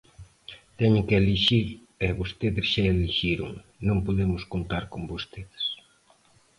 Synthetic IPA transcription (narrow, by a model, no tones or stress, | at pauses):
t̪ɛɲeŋkeeliʃiɾ | ɛβost̪eðɪsʃaeliʃiɾʊ̰ŋnõŋpoðemʊskont̪aɾkombost̪eðe̥s